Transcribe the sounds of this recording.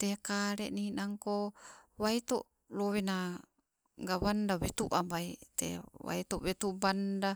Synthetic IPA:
t̪ekaɾeʔninaŋkowait̪oʔ | lowena | ŋɡawandawet̪uʔambait̪ḛwa̰it̪oʔwet̪ubanda

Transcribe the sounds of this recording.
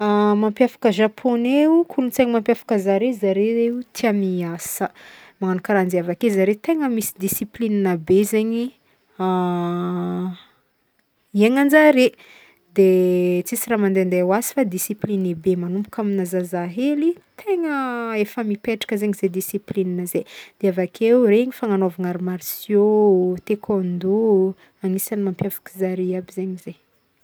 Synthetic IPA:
amampjafḁkəʒapʰoneukʰulunt͡seŋimampjafḁkəzaɾezaɾeeut̪ʰiamiasə | maŋanukaɾand͡ziavakezaɾet̪eŋəmisid̪isiplinanəbezeɲi | a | iaɲand͡ʒaɾe | d̪et͡sisiramand̪eand̪eawasi̥fad̪isiplinebemanumpu̥kʲaminazazaɦelit̪ʰeŋəefəmipeʈ͡ʂḁkəzeɲized̪isiplinanəzed̪̥eavakʰeureŋifaŋanavaŋaɾimaɾsjot̪ekʰond̪u | aŋisanimampjavḁkizaɾiabizeɲize

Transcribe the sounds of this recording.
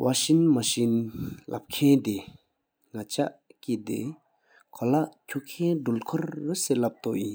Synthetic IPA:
wʔaɕinmaɕinla̰p̚kʰent̪e | ŋat͡ɕaʔkid̪ḛ | kʰolaʔcʰuʔkʰendulkʰɔrːaselap̚t̪oʔji

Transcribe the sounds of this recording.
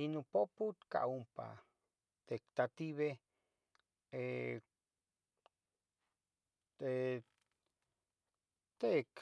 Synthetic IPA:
inũpoput̪ka̰ʔumpa̰ | t̪ekt̪at̪iβe | e | t̪e | t̪ek

